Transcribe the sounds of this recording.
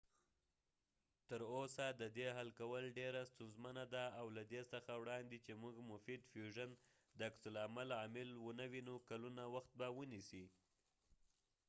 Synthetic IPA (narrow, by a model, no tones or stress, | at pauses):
t̪əɾosad̪əd̪eɦalkawəlɖeɾast̪unzmanad̪aːwlad̪esəxawɽɑnd̪et͡ʃemuɡmʊfid̪fjuʒan | d̪əaksʊlamalɑmɪlwənawinokalunawaxt̪̚bawənisi